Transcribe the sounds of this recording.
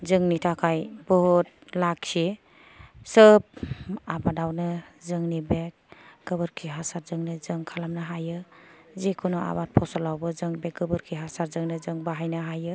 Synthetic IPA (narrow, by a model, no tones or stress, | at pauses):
zɯŋnitʰakʰajbɔɦut̚lak̚si | sɯp̚abadawnɯzɯŋnibek̚ɡ̥ɯbɯɾkʰiɦasaɾzɯŋnɯzɯŋkʰalamnaɦajɯ | zikʰunɔa̰bat̚pʰɔsɔlawbɯzɯŋbek̚ɡɯbɯɾkʰiɦasaɾzɯŋnɯzɯŋbaɦajnɯɦajɯ